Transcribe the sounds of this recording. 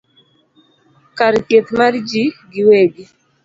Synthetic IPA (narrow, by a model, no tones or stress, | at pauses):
kaɾt̪jet̪mard͡ʒiɡɪweɡi